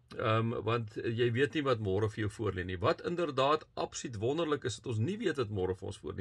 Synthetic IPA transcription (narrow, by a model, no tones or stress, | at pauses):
əmvɐntjɛjviətnivɐtmɔːɾəfəjəwfuərlɛnivɐtʰəndərdɑːtʔɐ̰pslytvɔndərləkəsdɐtɔns̬niviətvɐtmɔːɾəfəɔ̰nsfṵərni